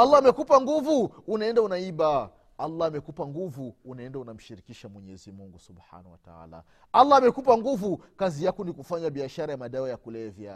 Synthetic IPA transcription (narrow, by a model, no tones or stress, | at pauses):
alːaamɛkupaŋɡuvuːnaɛndaunaiɓa | alːaːmɛkupaŋɡuvuːnaɛndaunam̩ʃiɾikiʃamwɛɲɛzimuŋɡusubħa̰nawata̰a̰ːla̰ | alːaːmɛkupaŋɡuvukazijakunikufaɲaɓiaʃaɾajamaɗaajakulɛvja